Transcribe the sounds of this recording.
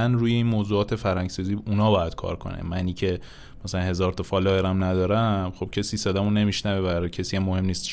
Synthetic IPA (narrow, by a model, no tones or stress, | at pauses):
ænɾuːje̞iːnmoːzuːɒːt̪ʰe̞fæɾhæŋɟsɒːziːunɒːbɒːjæd̪̥kʰɒ̰ːɾkʰo̞̰nḛmæniːcʰe̞ | mæsælænhe̞zɒːɾt̪ʰɒfɒːlɒːjeɾæmnæd̪ɒːɾæmχo̞b̥̚cʰesiːsed̪æmone̞miʃnævebæɾɒjcʰesiːjæmːohe̞mniːst̪ʃ